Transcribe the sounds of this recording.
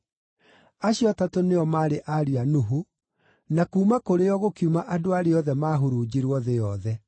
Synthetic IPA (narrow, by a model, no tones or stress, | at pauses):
aɕjɔtatoneɔmaɾeʔaɾianuɦu | nakuːmakoɾeɔɣokiumaʔadoaɾeɔðɛmaːɦoɾud͡ʑiɾwɔðejɔðɛ